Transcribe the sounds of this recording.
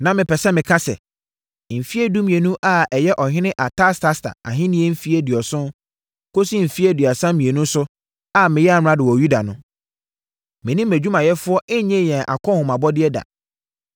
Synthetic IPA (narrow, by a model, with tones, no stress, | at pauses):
nã˨mɪ̃˨pɛ˨sɛ˦mɪ̃˨kʰã˦sɛ̰˨ | m̩˨fi˦e˦du˦mĩ˨e˨nũ˦ʔa˦ɛ˨jɛ˦ʔɔ˨ɦɪ̃˦nɪ̃˦ʔa˨tʰa˦stʰa˦stʰa̰˨a̰˨ɦɪ̃˦nĩ˦ɛ˦m̩˦fi˦e˦di˨ɔ˨sʊ̃˦ | ko˦si˦m̩˨fi˦ɛ˦dɥa˨sã˦mĩ˨e˨nũ˦sʊ˦ | a˨mɪ̃˨jɛ˦a˨m˦ɾã˦dɪ˨wɔ˨ju˦da˨nʊ̃˦ | mɪ̃˨nĩ˦mæ˨d͡ʑᶣu˦mã˨jɛ˦fʊ˦ɔ˦ʔɛ˦ɲɛ̃˦˨jɛ̃˨ʔa̰˨kʰɔ̃˦hʊ̃˨ma˨bɔ˦dɪ˦ɛ˦da̰˨